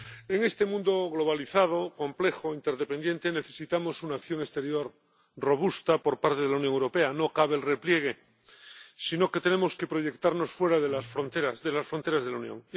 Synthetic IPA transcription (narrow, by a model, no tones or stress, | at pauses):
e̞ŋest̪e̞mũnd̪oɣlo̞β̞aliθað̞o̞ko̞mple̞xoint̪e̞ɾðepend̪je̞nt̪ene̞θe̞sit̪amo̞sunaːkθjo̞ŋe̞st̪e̞ɾjo̞ɾ | ro̞β̞ust̪apo̞ɾpaɾt̪eðlauwnjoŋewɾo̞pe̞ano̞kaβelreplje̞ɣ̞e̞ | sino̞ke̞t̪e̞ne̞mo̞ske̞pɾo̞ʝe̞kt̪aɾno̞sfwe̞ɾaðelasfɾont̪eɾasðe̞lasfɾont̪eɾazðelaunjõ̰ŋ